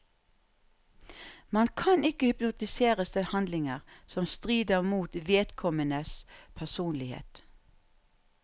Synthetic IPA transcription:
mɑnkʰɑnɪkəhʏpnʊt̪ɪseːʁəsd̪ɛhɑnd̪lɪŋəʁsɔmst̪ʁiːd̪əʁmuːt̪ʋeːt̪kʰɔmənəspʰæsuːnlɪhḛːt̪

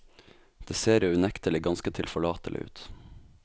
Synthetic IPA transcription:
d̪̥eːseːɾʉnɛkt̪əlɪɡɑnskət̪ʰɪlfɔɭɑːt̪ə̰lɪ̰ʉ̰ːt̪

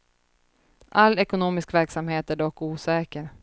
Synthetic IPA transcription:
ʔalːɛkʊnoːmɪskvæɾksamheːt̪æɖɔkːuːsɛːkəɾ

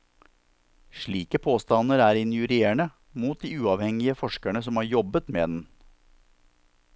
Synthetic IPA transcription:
ʂɭiːkəpʰoːst̪ɑnəɾæːɾɪnjʉɾeːɳə | muːt̪̚d̪iːʉːɑʋhɛŋɪəfɔʂkæɳəsɔmhɑːɾjɔbət̪mḛːd̪n̩

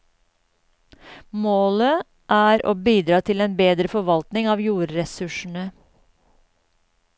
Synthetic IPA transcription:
moːlə | ʔæːɾo̰ːbiːd̪ɾɑːt̪ʰɪleːnbeːd̪ɾəfɔʋɑlt̪nɪŋɑːʋjuːɾɾɛsʉʃɳ̩ə

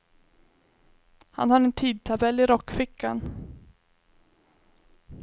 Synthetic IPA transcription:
ha̰nhaɾɛnt̪ʰiːd̪̚t̪ʰabɛlːɪɾɔkːfɪkːan

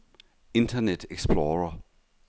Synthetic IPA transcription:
ɪ̃ntʰənɛtʰɛkspʰlɔːɹə

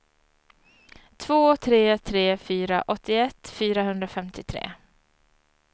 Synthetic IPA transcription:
t̪ʰv̥oːt̪ʰɾeːt̪ʰɾeːfyːɾa̰ʔɔt̪ːɪɛt̪ːfyːɾahɵnd̪ɾafɛmt̪ɪt̪ʰɾḛː

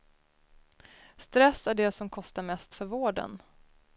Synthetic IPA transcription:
st̪ɾɛsːæɖɛsɔmkʰɔst̪aɾmɛst̪fœɾvoːɖə̰n

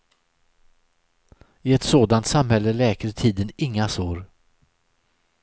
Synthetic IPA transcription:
ɪɛt̪soːd̪ant̪samhɛlːəlɛːkat̪ʰiːd̪ənɪŋːasoːɾ

